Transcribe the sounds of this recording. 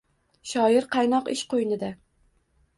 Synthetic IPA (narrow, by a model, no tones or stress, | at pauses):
ʃɒɪɾqʰɑjnɒqɪʃqojnɪd̪a